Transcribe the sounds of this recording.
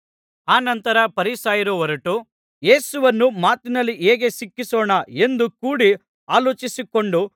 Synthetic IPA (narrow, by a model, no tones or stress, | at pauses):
aːnɐnt̪ɐɾɐpɐɾisaːjɐɾuʋɐɾuʈu | jeːsuʋɐnːumaːt̪inɐlːiʔeːɡe̞sikːisɔːɳɐe̞nd̪ukuːɽi | aːloːt͡ʃisiko̞ɳɖu